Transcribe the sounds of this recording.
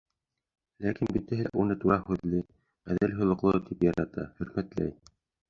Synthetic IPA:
lækinbit̪æɦæʔunɤt̪uɾɑhʉðlɘ | æðælɦŏlˠɤ̆qlˠɤt̪ʰipjɑɾɑt̪ɑ̰hɵ̆ɾmæt̪læ̰j

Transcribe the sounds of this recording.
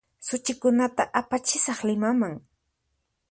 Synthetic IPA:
sʊt͡ʃɪkʊnat̪aʔapat͡ʃɪsɑχlɪmamaŋ

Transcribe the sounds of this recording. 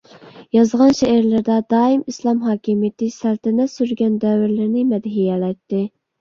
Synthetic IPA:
jɑzʁɑnʃɛæɾlɪɾd̪ɛd̪ɑːimislˠɑmɦɑːkʲimijɪt̪ɪsælt̪ʰɪnɛsyɾɡʲɛnd̪ɛwɪɾlɪɾnɪmɛd̪ɦijɛlɛjt̪ːɪ

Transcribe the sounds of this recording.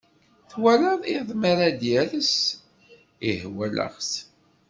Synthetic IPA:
θwæləðˤiðˤmaɾad̪jæləs | ihwælə̰ʁs

